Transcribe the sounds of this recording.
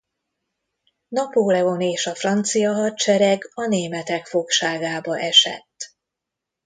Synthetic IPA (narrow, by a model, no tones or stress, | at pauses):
nɒpoːlɛo̞neːʃɒfrɒnt̪sijɒɦɒtt͡ʃɛɾɛɡɒneːmɛt̪ɛkfo̞kʃaːɡaːbɒʔɛʃɛ̰t̪ː